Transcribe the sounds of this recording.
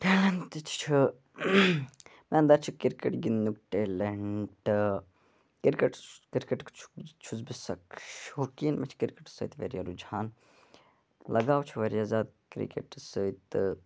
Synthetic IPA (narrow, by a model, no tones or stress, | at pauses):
peːlɐnt̪it͡ʃʰt͡ʃʰɨ | mɛ̃ɐnd̪ɐɾt͡ʃʰikiɾkeʈɡinnukʈeːleɳʈɨ | kiɾkeʈkiɾkeʈkt͡ʃʰt͡ʃʰuzbisɐkʃokiːnmɛt͡ʃʰkiɾkeʈsə̰ːt̪ʋeɾijaɾud͡ʒaːn | lɐɡaːwt͡ʃʰuʋɐɾjaːzʲaːd̪̚kɾḭkḛʈsəjt̪ɨ